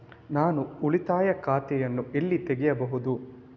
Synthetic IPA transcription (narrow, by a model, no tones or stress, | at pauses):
naːnuuɭit̪aːjɐkaːt̪ɛjɐnːuelːit̪eɡɛjɐbɐɦud̪u